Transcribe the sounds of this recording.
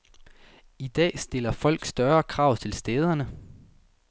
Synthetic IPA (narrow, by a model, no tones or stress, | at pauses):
id̥ɛ̰ːsd̥e̝lɐfɒ̽l̰ɡ̥sd̥ɶɐkʰʁɑ̈ʊ̰t͡sʰe̝lsd̥eːð̞ˠɐnə